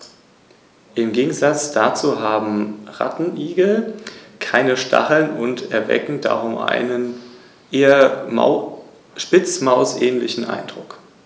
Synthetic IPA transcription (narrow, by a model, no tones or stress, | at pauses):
ʔɪmɡeːɡŋ̩zat͡sd̥at͡suːɦaːbm̩ʁa̰tn̩ʔiːɡl̩kʰaɪnəʃtʰa̰χl̩nʊntɛɐvɛ̰kŋ̩da̰ʁʊmʔa̰ɪnən | ʔeːɐ | ʃpɪt͡smaʊsʔɛːnlɪçn̩ʔa̰ɪnd̥ʁʊk